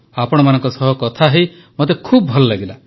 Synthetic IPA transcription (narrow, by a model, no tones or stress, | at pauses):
apɔɽ̃ɔmanɔŋkɔsɔɦɔkɔt̪ʰaɦej | mot̪̬ekʰubɔbʱɔlɔlaɡila